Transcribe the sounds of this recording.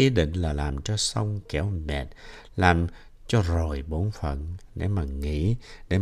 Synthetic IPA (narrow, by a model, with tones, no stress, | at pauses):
ʔi˨˦ɗḭ̈˧˨ŋ̟laː˨˩laː˨˩mt͡ɕɔ˧sə˧wŋ͡mkɛ˧˦wmɛ˨˩t̚ | laː˨˩m | t͡ɕɔ˧zo˨˩jɓo˨˦nfə̰˧˨nɗḛ˧˩˦maː˨˩ŋḭ˧˥ɗe˧˦